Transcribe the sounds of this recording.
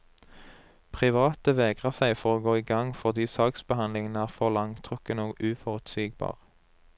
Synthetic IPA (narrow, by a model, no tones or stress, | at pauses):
pʰʁɪʋɑːt̪əʋeːɡʁəʁsæɪfɔʁoːɡoːiːɡɑŋfɔʁd̪iːsɑːksbəhɑnlɪŋənəæːʁfɔʁlɑŋt̪ʰʁʉkənoːɡʉːfɔʁʉt̪siːɡ̚bɑ̰ːʁ